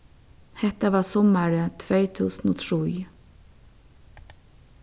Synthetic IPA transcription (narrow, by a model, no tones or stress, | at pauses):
hɛht̪aʋaːɹsɔmaɹət̪ʰvejt̪ʰuːsnɔːt̪ʰɾuj